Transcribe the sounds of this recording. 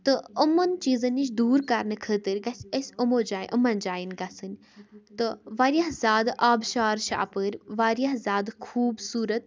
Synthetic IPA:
t̪ɨəmːɐnt͡ʃiːzɐnʲit͡ʃd̪uːɾkɐɾnɨkʰəːt̪ɨɾʲɡɐsʲəsʲumod͡ʒaːjʔəmɐnd͡ʒaːjinɡɐsɨnʲ | t̪ɨʋaːɾjaɦzʲaːd̪ʔaːbʃaːɾʃa̰ːpəɾʋaːɾʲjaɦzʲaːd̪kʰuːbsuːɾət̪̚

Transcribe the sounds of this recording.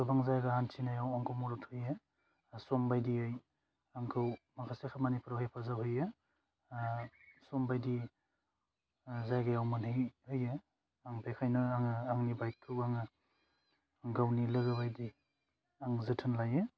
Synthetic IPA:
ɯbaŋzajɡahantʰinajawaŋkʰɯwmɔɾɔtʰhɯje | sɔmbajdiɯj | aŋkʰɯwmakʰasekʰamanipʰuɾawhejpʰazawhɯjɯ | sɔmbajdi | zajɡajawmanhɯjhɯje | aŋbekʰajnɯaŋɯaŋnibajt̚kʰɯwaŋɯ | ŋɡawnilɯɡɯbajdi | aŋzɯtʰɯnlajɯ

